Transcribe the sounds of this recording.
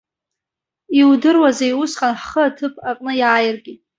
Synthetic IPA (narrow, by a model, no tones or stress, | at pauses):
iwdɨrwazajwʊsqʼanħχəatʰɨpʰaqʼnɨjaːjɪrɡʲi